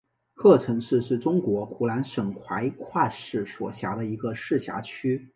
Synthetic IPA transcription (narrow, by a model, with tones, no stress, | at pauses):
xɤ˥˩ʈ͡ʂʰɤ˧˥ŋʂɻ̩˥˧ʂɻ̩˥˩ʈ͡ʂʊ˥ŋkwɔ˧˥pʰu˧˥˩la˧˥nʂɤ˨˩ŋxʰwa˧˥ɪkʰwa˥˧ʂɻ̩˥˩swɔ̰˨˩ɕja˧˥ɾə˧i˧˥ɡə˧ʂɻ̩˥˩ɕja̰˧˥t͡ɕʰy˥